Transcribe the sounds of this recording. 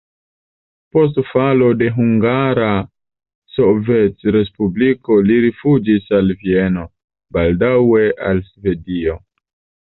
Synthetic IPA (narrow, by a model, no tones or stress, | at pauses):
po̞s̬tfalo̞de̞ɦuŋɡaɾa | so̞vet͡sɾe̞spubliko̞liɾifud͡ʒisalvie̞no̞ | baldawe̞ʔalsve̞dio̞